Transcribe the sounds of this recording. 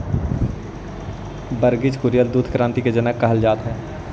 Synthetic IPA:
bəɾɡɪd͡ʒkʊɾijəld̪uːd̪ʰʱkɾãːnt̪iked͡ʒənəkːɐɦəld͡ʒaːt̪ɦɛː

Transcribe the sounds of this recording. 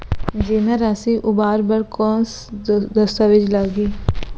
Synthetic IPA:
d͡ʒemẽɾaːsiːʔʊbaːɾbəɾkɔːns | d̪əst̪aːʋɪd͡ʒlaɡiː

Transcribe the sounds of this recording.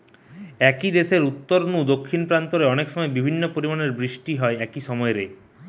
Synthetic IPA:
ɛkid̪eʃeɾut̪ːoɾnud̪okʰːinpɾant̪oɾeɔnekʃɔmɔebibʱinːopoɾimaneɾbɾiʃʈiɦɔeɛkiʃɔmɔeɾe

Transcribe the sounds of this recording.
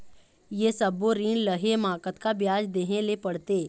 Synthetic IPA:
jesəbːoɾiːnləɦemãːkət̪kabjaːd͡ʒd̪eːɦẽlepəɽt̪eː

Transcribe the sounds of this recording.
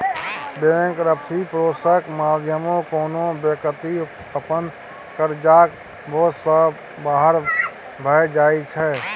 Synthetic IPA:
beə̃ŋkɾəpsipɾoːsəkmaːd̪ʱjəmõkoːnõbekət̪i | əpənd̪ | kəɾd͡ʒaːk | bʱoːsə | baːɦəɾ | bʱəd͡ʒaːit͡ʃʰɛː

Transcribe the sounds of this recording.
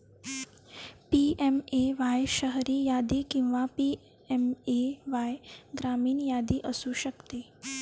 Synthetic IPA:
piemeʋajʃəɦɾiːjad̪iːkĩw̃ʋapi | ɛmeʋajɡɾamiːnjad̪iːʔəsuɕəkt̪e

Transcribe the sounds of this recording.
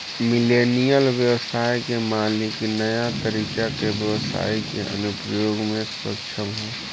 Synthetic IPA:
mɪleːnijəlʋjəwəsaːjkemaːliknəjat̪əɾiːkakebjəʋəsa̰ːikḛʔə̰nʊpɾəjoːɡmẽsʊɾə̰kʃʰəmɦɛː

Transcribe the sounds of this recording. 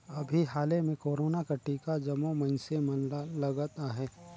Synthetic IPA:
ɐbʱiɦaːlemẽkoːɾoːnakɐʈːiːkad͡ʒɐmomɐ̃nsemɐnlɐɡət̪aɦɛː

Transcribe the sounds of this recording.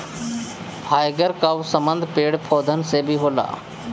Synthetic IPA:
pʰaːjɡəɾkaʋsəmə̃nd̪ʱpeːɽpʰɔːd̪ʱənsebʱiɦoːla̰ː

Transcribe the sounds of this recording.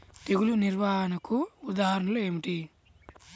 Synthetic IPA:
t̪eɡuluniɾʋaːɦɐnɐkuːd̪aːɦɐɾɐɳɐlueːmiʈi

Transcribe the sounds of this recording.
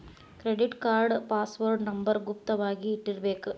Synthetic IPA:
kɾɛɖɪʈkaːɾɖpaːsʋoːɾɖnɐmbɐɾɡʊp̚t̪ɐʋaːɣiɪʈːɪɾʋeːkːɯ

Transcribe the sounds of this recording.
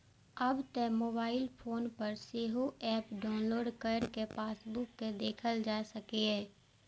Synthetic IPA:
ɐbt̪ɛmoːbaːɪlpʰoːnpəɾseːɦoʔɛːpɖaːnloːɖkəɾkepaːsbʊkːed̪eːkʰəld͡ʒaːsɐkiɛː

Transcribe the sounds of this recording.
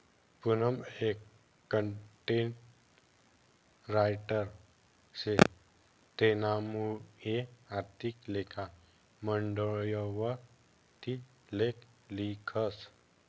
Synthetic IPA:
punəmek | kːəɳʈeɳʈ | ɾajʈəɾ | se | t̪enamueaɾt̪iklekʰa | məɳɖəɭjɔʋəɾ | t̪i | lek | likʰəs

